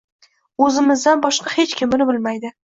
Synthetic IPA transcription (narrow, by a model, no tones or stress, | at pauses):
ɵzɪmɪzd̪anbɒʃqʰɑhet͡ʃkʲʰɪmɪnɪbɪlmajd̪ɪ